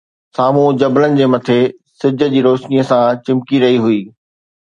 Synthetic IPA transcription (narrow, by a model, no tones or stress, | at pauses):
saːm̤ũd͡ʑɐblənɪ̆d͡ʑeːmɐt̪ʰe | sɪd͡ʑʱə̆d͡ʑiːɾoːʃnijəsãt͡ɕɪ̃mkiɾɐɦiɦʊiː